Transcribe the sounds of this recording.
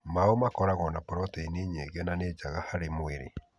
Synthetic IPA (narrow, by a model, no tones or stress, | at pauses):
maomakɔɾaɣɔnapɔɾɔtɛineɲeɣɛnaned͡ʒaɣahaɾemoeɾḛ